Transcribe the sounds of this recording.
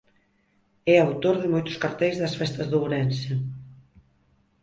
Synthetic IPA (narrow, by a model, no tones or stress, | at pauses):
ɛawt̪oɾðɪmojt̪ʊ̥skaɾt̪ɛjzðɐsfɛst̪ɐzðowɾɛnsɪ